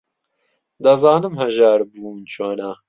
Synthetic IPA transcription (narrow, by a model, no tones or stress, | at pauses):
d̪ɐzɑːnɨmhɐʒaːɾbuːnt͡ʃʰoːna